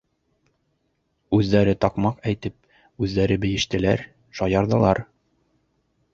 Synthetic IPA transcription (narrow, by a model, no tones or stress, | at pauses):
ʉzːæɾɘt̪ɒqmɑqæjt̪ɘp̚ | ʉzːæɾɘbɘ̆jɘ̆ʃt̪ɘ̆læ̰ɾ | ʃɒjɑɾðɤ̆lˠɑ̰ɾ